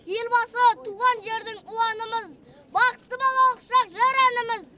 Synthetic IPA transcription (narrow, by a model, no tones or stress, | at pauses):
je̞lbɑsət̪ʰuʁɑnʒe̞ɾd̪ɪŋʊlˠɑnəməz | bɑqət̪ːəbɑlˠɑlˠəqʃɑqʒɑɾænəməz